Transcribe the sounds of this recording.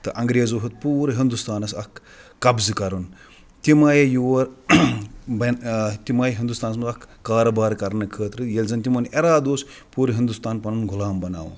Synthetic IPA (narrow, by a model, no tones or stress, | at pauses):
t̪ɨʔɐŋɡɾeːzoːɦut̪̚puːɾɨɦind̪ust̪aːnɐsɐkʰː | ɐbzɨkɐɾun | t̪imaːjjuʋɐɾ | bɐnt̪imaːjɦind̪ust̪aːnɐs̬mɐzɐkʰːaːɾɐbaːɾkɐɾnɨkʰəːt̪ɾɨjelʲzɐnt̪ʲimonʔeɾaːd̪oːs | puːɾɨɦind̪ust̪aːnpɐnunɡʱʊlaːmbɐna̰ːʋ̰